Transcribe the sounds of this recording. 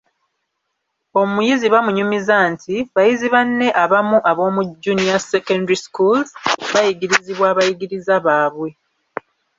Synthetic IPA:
o̞mujiziβamuɲumizantʰiβajiziβanːe̞ʔaβamuʔaβo̞ːmuɟːunijasekondiskulzβajiɡiɾiziβwaːβajiɡiɾizaβaːβwe̞

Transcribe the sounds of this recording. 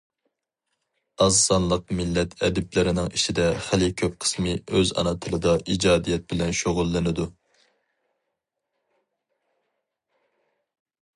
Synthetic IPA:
ɑzsɑnlˠəqmɪlːɛt̪ʰɛd̪ɪplɪɾɪnɪŋiʃid̪ɛχælɪkʲʰøp̚qʰə̥smɨøzɑ̰nɨt̪ʰɨlˠɨd̪ɑʔid͡ʒɑːd̪ijɛt̪̚bɪlɛnʃoʁʊlˠːɨnɪd̪u

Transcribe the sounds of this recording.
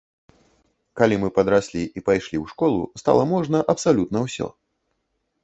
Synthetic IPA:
kalʲimɨpɐd̪ɾasʲlʲiʔipajʂlʲiwʂkɔlˠṵst̪a̰lˠɐmɔʐnɐʔɐpsalʲut̪nɐwsʲɔ̰

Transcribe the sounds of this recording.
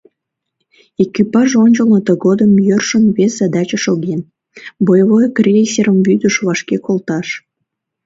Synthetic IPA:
ekypɑʒonʲt͡ɕəlmət̪əɣod̪əmjørʃənβeszɑd̪ɑt͡ɕəʃoɣen | bojβojkrʲesʲeɾəmβyd̪əʃβɑʃkekolt̪ɑʃ

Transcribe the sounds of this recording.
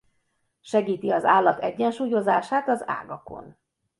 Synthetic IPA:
ʃɛɡiːt̪iɒzaːlːɒt̪ɛɟːɛnʃuːjo̞zaːʃaːt̪ɒza̰ːɡɒko̞̰n

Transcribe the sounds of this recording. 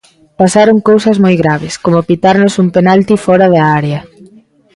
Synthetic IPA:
pasaɾoŋkowsɐzmojɣɾaβɪskomopit̪aɾnosumpenalt̪ifɔɾaðaaɾeɐ

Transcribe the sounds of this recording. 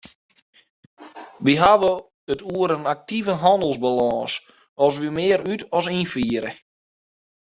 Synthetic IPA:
ʋiɦaʋə | ətuəɾənak̚tivəɦɔndəlˠzbalɔːs | ɔsʋimɪːɾytɔsinfiːəɾə̰

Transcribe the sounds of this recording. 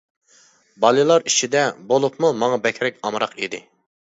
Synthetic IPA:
bɑlˠɨlˠɑɾit͡ʃʰid̪ɛbolˠupmumɑŋɑbɛkʲʰɾɛkʲɑmɾɑqid̪ɪ

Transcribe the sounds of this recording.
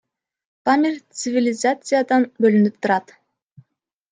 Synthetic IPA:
pamʲɪrʲt̪sɨvʲɪlʲɪzat̪sɨjad̪ɑnbølynyp̚t̪ʰuɾɑt̪

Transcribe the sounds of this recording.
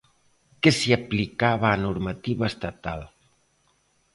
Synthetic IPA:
kɛsiəplikaβaːnuɾmət̪iβəːst̪ət̪alˠ

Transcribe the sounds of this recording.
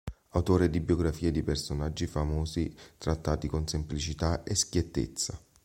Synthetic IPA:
awt̪oːɾed̪ibjoɡɾafiːed̪ipɛrsonad͡ʒːifamɔːzit̪ɾat̪ːaːt̪ikonsemplit͡ʃit̪aeskjet̪ːḛt̪sːa

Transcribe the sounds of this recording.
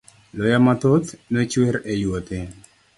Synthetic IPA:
lɔjamat̪ot̪nɛt͡ʃweɾejwɔt̪e

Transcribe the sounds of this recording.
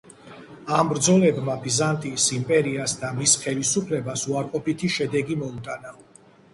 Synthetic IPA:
ambɾd̪zɔlɛbmabizant̪ʼisimpʼɛɾiasd̪amisχɛlisupʰlɛbasuaɾqʼɔpit̪ʰiʃɛd̪ɛɡimɔut̪ʼana

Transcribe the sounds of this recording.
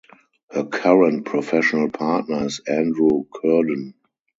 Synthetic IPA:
həkʰaɹə̃nt̚pʰɹɔfɛʃɔnəlpʰaːtnəɪsæ̃ndɹukʰɜdə̃n

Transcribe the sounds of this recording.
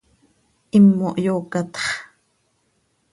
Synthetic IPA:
ʔimːoʔjoːkɑt̪χ

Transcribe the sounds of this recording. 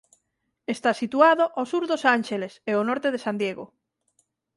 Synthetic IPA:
est̪asit̪uaðoʔosuɾðosanʃeleseonɔɾt̪eðesand̪jeɣo̰

